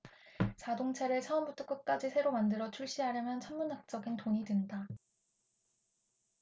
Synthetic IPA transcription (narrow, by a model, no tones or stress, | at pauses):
t͡ɕadoŋt͡ɕʰeɾɯɭt͡ɕʰaʌmbut͈ʰok͈ɯk͈ad͡ʑisʰe̞ɾomandɯɾʌt͡ɕʰuɭɕ͈iɦaɾjʌmjʌnt͡ɕʰʌmmːunɦak̚t͡ɕ͈ʌɡintoɲidwenda